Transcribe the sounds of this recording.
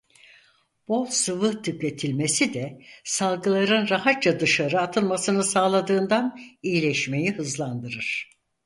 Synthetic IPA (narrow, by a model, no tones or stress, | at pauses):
b̥olˠsɯvɯt̪ʰyke̞t̪ʰilʲme̞sid̪ɛsalˠɡɯlˠaɾɯnɾaɦat̪̚t͡ʃad̪ɯʃaɾɯat̪ʰɯlˠmasɯnɯsaːlˠad̪ɯːnd̪anijilʲɛʃme̞jihɯzlˠand̪ɯɾɯɾ̥